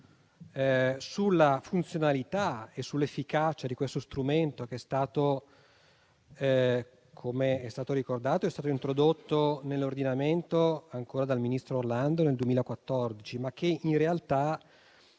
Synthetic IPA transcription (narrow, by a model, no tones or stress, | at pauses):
sulːafunt̪sjonalit̪aesːulːefːikat͡ʃad̪ikwest̪ost̪ɾument̪ok̟eɛst̪aːt̪o | kʰomeɛst̪aːt̪oɾikord̪aːt̪oɛst̪aːt̪oint̪ɾod̪ot̪ːonelːord̪inament̪oaŋkoːɾad̪alminist̪ɾoːrland̪oneld̪uemiːlaekwat̪ːɔrd̪it͡ʃimak̟ːeinrealt̪a